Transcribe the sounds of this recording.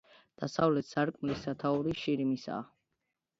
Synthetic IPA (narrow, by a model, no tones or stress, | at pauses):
d̪̥asavlɛt̪saɾkʼmlisːat̪ʰauɾiʃiɾimisa̰ː